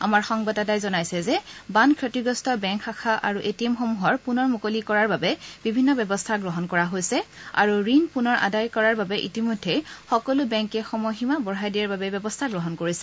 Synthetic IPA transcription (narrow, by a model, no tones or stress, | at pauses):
a̰maɹxɔŋbɔdadajzɔnajsɛzɛbankʰɹotiɡɔstɔbɛŋkʰːaxʰaʔa̰ɹuʔetiɛmxɔmuɦɔɹpunɔɹmukolikɔɹaɹbabɛbibʱinːɔbɛbɔstʰaɡɹɔɦɔnkɔɹaɦojsɛa̰ɹuɹinpunɔɹʔa̰dajkɔɹaɹbabɛʔḭtimodʱːɛxɔkɔlubɛŋkɛxɔmɔɦimabɔɹɦajdijaɹbabɛbɛbɔstʰaɡɹɔɦɔnkoɹisɛ